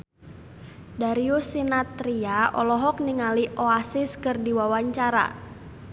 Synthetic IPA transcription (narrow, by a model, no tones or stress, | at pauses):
daɾiusinat̪ɾiaʔɔlɔɦɔk̚niŋaliʔoasɪskɨrdiwawaɲt͡ʃaɾa̰